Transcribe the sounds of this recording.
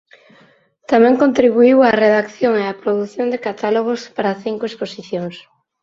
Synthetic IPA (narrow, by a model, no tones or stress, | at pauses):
t̪amɛ̃ŋkõnt̪ɾiβ̞uiwareðakθjoŋeapɾoðuθjond̪ekat̪aloɣ̞ospaɾaθiŋkoesposiθjoŋs